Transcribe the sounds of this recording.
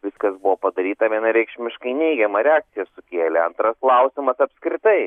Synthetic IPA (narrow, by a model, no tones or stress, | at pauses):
ʋʲɪskɐsbʊʋoːpɐd̪ɐɾʲiːt̪ɐʋʲiɛnɐɾʲɛɪkʃʲmʲɪʃkɐɪnʲɛɪɡʲɛmɐɾʲɛaːk̚tsʲɪjɛsʊkʲeːlʲɛɐnt̪ɾɐsklˠɐʊsʲɪmɐsɐpʲskɾʲɪt̪ɐɪ